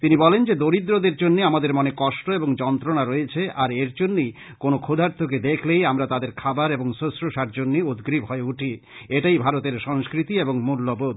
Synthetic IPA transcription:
t̪inibɔlend͡ʑed̪oɾid̪ɾod̪eɾd͡ʑonːeamad̪eɾmɔnekɔʃʈoeboŋd͡ʑɔnt̪ɾonaɾɔet͡ɕʰeaɾeɾd͡ʑonːej | konokʰod̪ʱaɾt̪ʰoked̪ekʰlejamɾat̪ad̪eɾkʰabaɾeboŋsosɾoʃaɾd͡ʑonːeud̪ɡɾibɦɔeuʈʰi | eʈajbʱaɾot̪eɾʃɔŋskɾit̪ieboŋmulːobod̪

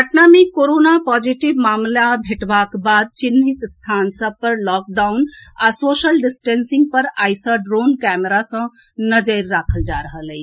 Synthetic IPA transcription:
bʱəʈnamekoɾonapɔd͡ʒiʈibmamlabʱeʈbakbad̪̚t͡ʃinːit̪st̪ʰansəb̚pəɾlɔk̚ɖawnasosəlɖisʈensiŋɡ̚pəɾajsəɖɾonkɛmeɾasə̃nəd͡ʒəɾːakʰəld͡ʒaɾəɦəlɛɪ

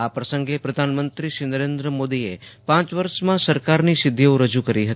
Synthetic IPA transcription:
apɾəsəŋɡepɾəd̪ʱanmənt̪ɾiʃinəɾend̪ɾəmod̪ie | pãt͡ʃʋəɾʃmãsəɾkaɾnisɪd̪ʱːeõɾəd͡ʒukəɾiɦət̪i

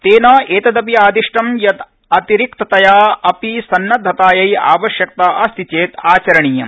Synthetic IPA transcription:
t̪eːnɐːeːt̪ɐd̪ɐp̬iaːd̪iʂʈɐmjɐt̪ | ɐt̪iɾikt̪ɐt̪ɐjaːɐpisɐnːɐd̪ʱːɐt̪aːjɐja̰ːʋɐʃjɐk̚t̪aːʔɐst̪ʰit͡ʃeːt̪aːt͡ʃɐɾɐɳijɐ

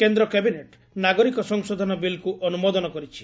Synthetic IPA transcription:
kend̪ɾɔkebineʈ | naɡɔɾikɔsɔŋsɔd̪ʱɔnɔbilkuʔɔnumɔd̪ɔnɔkɔɾit͡ʃʰi̥

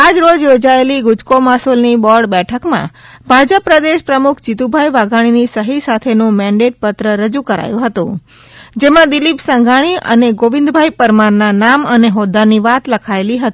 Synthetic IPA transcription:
ad͡ʒɾod͡ʒjod͡ʒaeliɡʊd͡ʒkomasolnibɔɾɖbɛʈʰəkmã̰bʱad͡ʒəpɾəd̪eʃpɾəmukʰt͡ʃit̪ubʱaiʋaɡʱaɽ̃inisəɦisat̪ʰenũmɛ̃ɳɖeʈ̚pət̪ɾəɾəd͡ʒukəɾa̰jũɦət̪ṵ̃ | d͡ʒemãd̪ilipsəŋɡʱaɽ̃iʔə̰neɡoʋɪ̃nd̪bʱajpəɾmaɾnanaməneɦod̪aniʋat̪ləkʰaeliɦət̪i

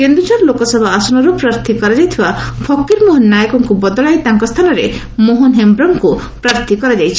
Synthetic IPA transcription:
kend̪ɾud͡ʒɔɾlokɔsɔbʱaasɔnɔɾupɾaɾt̪ʰikɔɾad͡ʒajt̪ʰibapʰɔkːiɾmoɦɔnːajɔkɔŋkubɔd̪ɔɭajt̪aŋkɔst̪ʰanɔɾe | moɦɔnɦembɾɔŋkupɾaɾt̪ʰikɔɾad͡ʒajt͡ʃʰi̥

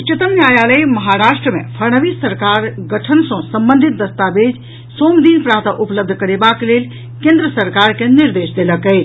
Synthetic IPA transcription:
ut͡ʃət̪əmnjajaləjməɦaɾasʈɾəmḛpʰəɾnəʋisəɾkaɾɡəʈʰənsə̃səmbə̃nd̪ʱit̪̚d̪əst̪abed͡ʒ | somd̪inpɾaɦt̪aʔupləb̚d̪ʱəkəɾebaklel | kẽnd̪ɾəsəɾkaɾkeniɾd̪esd̪eləkə

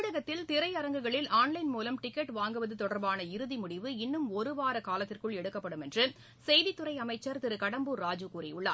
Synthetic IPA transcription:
ɽɐɣɐt̪ːɪlt̪ɪɾɐɪɐɾɐŋɡɯɣɐɭɪlaːnlɐɪnmuːlɐmʈɪkːɐʈʋaːŋɡɯʋɐðɯt̪ɔɽɐɾbaːnɐɪɾɯðimʊɽɪʋɯɪnːɯmɔɾɯʋaːɾɐkaːlɐt̪ːɪrkɯɭɛɽɯkːɐpːɐɽɯmɛndrɯ | sɛjðit̪ːɯɾɐɪɐmɐɪt͡ʃːɐɾt̪ɪɾɯkɐɽɐmbɯːaːd͡ʒukuːɾɐ̰jʊɭːa̰ː

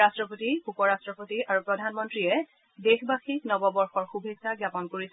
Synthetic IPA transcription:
astɹɔpotiupɔɹastɹɔpotiʔaɹupɹɔdʱanmɔntɹiɛ | dexbaxiknɔbɔbɔɹxɔɹxubʱesaɡjapɔnkoɹis

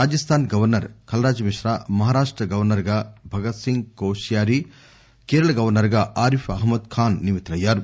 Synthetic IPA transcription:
ɾaːd͡ʒɐst̪ʰaːnɡɐʋɐɾnɐɾkɐlɐɾaːd͡ʒɐmiʂɾaːmɐɦaːɾaːʂʈɾɐɡɐʋɐɾnɐɾɡaːbʱɐɡɐt̪siŋɡkoːʃijaːɾi | keːɾɐɭɐɡɐʋɐɾnɐɾɡaːʔaːɾifɐɦmɐd̪kʰaːnːimit̪ːɾɐjːaːɾu

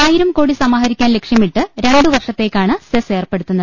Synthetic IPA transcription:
aːjiɾɐmko̞ːɽisɐmaːɦɐɾikʲːaːnlekʂjɐmiʈːɨɾe̞ɳɖɨʋɐrʂɐt̪ːe̞ːkːaːɳɨsese̞ːrpe̞ɽut̪ːunːɐð

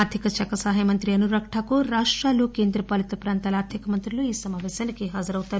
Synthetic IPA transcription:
aɾd̪ʱikɐt͡ʃɐkɐsaɦɐjɐmɐnt̪ɾiɐnuɾɐkʂaːkuɾaːʂʈɾaːlukeːnd̪ɾɐpɐlit̪ɐpɾaːnt̪aːlɐːɾd̪ʰʱɐkɐmɐnt̪ɾiluiːsɐmaːʋɛːʃaːnikiɦaːd͡ʒɐɾɐwt̪aːɾu

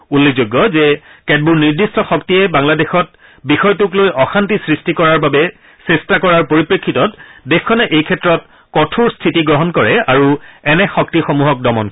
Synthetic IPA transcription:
ulːezoɡːɔzɛkɛd̚buɹniɹdistɔxɔktijɛbaŋladexɔt̚ | bixɔjtuklojʔɔxantisɹistikɔɹaɹbabɛ | sestakɔɹaɹpoɹipɹekʰːitɔtdɛxkʰːɔnɛʔejkʰɛtːɹɔt̚ | kɔtʰuɹstʰitiɡɹɔɦɔnkɔɹɛaɹuɛnɛxɔk̚tixomuɦɔk̚dɔmɔnk

